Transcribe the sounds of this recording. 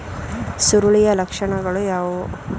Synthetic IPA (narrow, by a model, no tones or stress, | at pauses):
suɾuɭijɐlɐkʂɐɳɐɡɐɭujaːʋu